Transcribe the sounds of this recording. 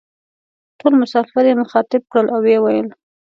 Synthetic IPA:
ʈolmʊsɑfɪɾjemʊxɑt̪ɪb̚kɽəlʔawwewajəl

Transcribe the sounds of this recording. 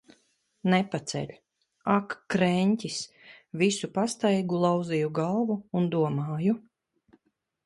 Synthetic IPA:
nɛpat̪sɛ̰lʲ | akːɾɛnʲtʲis | visupast̪ajɡulˠawzijuɡalˠvuːnd̪uɔmaːju

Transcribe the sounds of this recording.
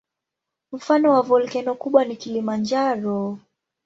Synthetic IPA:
m̩fanɔwavɔlkɛnɔkuɓwanikilimand͡ʒaɾɔ

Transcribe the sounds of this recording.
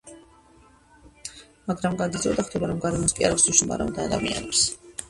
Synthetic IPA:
maɡɾamɡad̪id̪zɔd̪aχd̪ʰɛbaɾɔmɡaɾɛmɔskʼia̰ɾavsuʃuma̰ɾa̰ṵnd̪aːd̪a̰mḭa̰nɛps

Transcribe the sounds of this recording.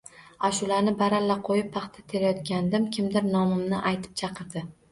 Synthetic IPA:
aʃʊlanɪbaɾalːaqʰojɪp̚pːʰɑχt̪ʰat̪ʰe̞ɾajɒt̪kʲand̪ɪmkʲʰɪmd̪ɪɾnɒmɪmnɪʔajt̪ʰɪ̥p̚t͡ʃʰɑqʰɨɾd̪ɪ

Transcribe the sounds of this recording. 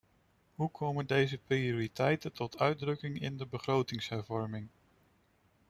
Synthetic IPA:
ɦukʰowməndejzəprioːɾitɛjtəntɔtʰœɥdrɵkɪŋɪ̰ndəbəχrowtɪŋsɦɛɹvɔɹmɪŋ

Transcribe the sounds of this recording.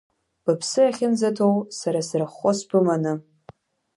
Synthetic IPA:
b̥ɨpʰsɨaχʲɪnd͡zatʰowsaɾasrɨχːospɨmanɨ

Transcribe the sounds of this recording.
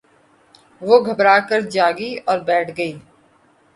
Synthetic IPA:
ʋoːɡʱəbɾaːkəɾd͡ʒaːɡiːɔːɾbɛːʈʰɡəiː

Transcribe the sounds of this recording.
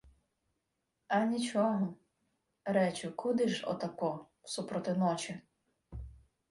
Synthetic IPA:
ɐnʲit͡ʃɔɦɔm | ɾɛt͡ʃʊkʰʊd̪ɪʒɔ̰t̪ɐkɔ | wsupɾɔt̪ɪnɔt͡ʃɪ

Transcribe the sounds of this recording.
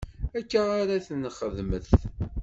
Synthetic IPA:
ækːaaɾaθənχəðməθ

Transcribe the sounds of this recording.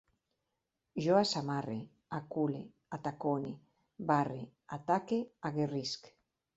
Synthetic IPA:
ʒoasamare | akule | at̪akone | βareat̪akeaɣerisk

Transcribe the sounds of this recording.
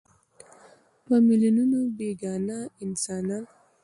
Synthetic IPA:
pəmilununobeɡɑnaɪnsɑnan

